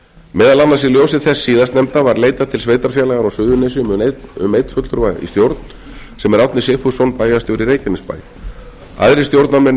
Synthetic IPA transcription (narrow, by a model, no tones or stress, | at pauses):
mɛːðalanːasiljoːwsɪðθɛsːiːðast̪nɛmt̪avaɾleːjt̪at̪ʰɪlsveːjt̪aɾ̥fjaːlaɣaɾɔsʏðʏnes̬ɪʏ̰mejt̪fʏt̪lʏɾvaːjɣḭst̪jowɾt̪n̥ | sɛmɛɾawt̪nɪsefu̥sɔwnpaːjast̪jowɾiɾeːjcɛnɪspa̰ːj | a̰ðɾɪst̪jowɾt̪namɛn